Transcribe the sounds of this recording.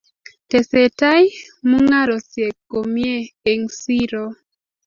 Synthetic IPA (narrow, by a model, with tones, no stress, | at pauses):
te˨se˨ta˦j | mu˦ŋa˦ɾɔ˨sje˨kːo˨mje˦e˨ŋsi˦ɾo˦